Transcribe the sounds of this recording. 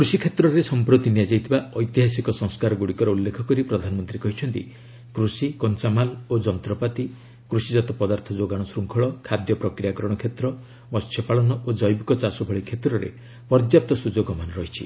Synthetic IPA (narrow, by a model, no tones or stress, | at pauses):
kɾusikʰet̪ɾɔɾesɔmpɾot̪inijad͡ʒajt̪ʰibaɔjt̪iɦasikɔsɔ̃ŋskaɾɔɡuɽikɔɾɔulːekʰɔkɔɾipɾɔd̪ʱanɔmɔnt̪ɾikɔɦit͡ʃʰɔnt̪ḭ | kɾusikɔnt͡ʃamalod͡ʒɔnt̪ɾɔpat̪i | kɾusid͡ʒɔt̪ɔpɔd̪aɾt̪ʰɔd͡ʒoɡaɽ̃ɔsɾuŋkʰɔɭɔkʰad̪jɔpɾɔkɾijakɔɾɔɽ̃ɔkʰet̪ɾɔ | mɔst͡ʃʰjɔpaɭɔnɔʔod͡ʒɔjbikɔt͡ʃasɔbʱɔɭikʰet̪ɾɔɾḛ | pɔɾd̪jap̚t̪ɔsud͡ʒoɡɔmanɾɔɦit͡ʃʰḭ